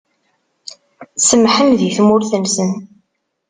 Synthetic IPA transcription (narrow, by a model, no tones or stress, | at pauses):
səmħəmðiθmʊɾθənsən